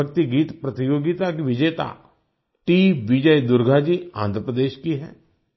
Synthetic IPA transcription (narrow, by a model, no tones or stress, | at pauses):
ək̚t̪iɡiːt̪pɾət̪ɪjoːɡit̪aːkʋɪd͡ʒeːt̪a̰ː | ʈiːbid͡ʒəid̪ʊɾɡʱaːd͡ʒiːã̰ːnd̪ʱɾəpɾəd̪eːʃkiɦɛ̰ː